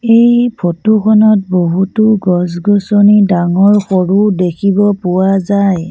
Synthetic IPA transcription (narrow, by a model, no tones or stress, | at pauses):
ejpʰotukʰɔnɔt̚boɦutuɡɔs̬ɡɔsɔnidaŋɔɹxoɹudekʰibɔpʊwazaj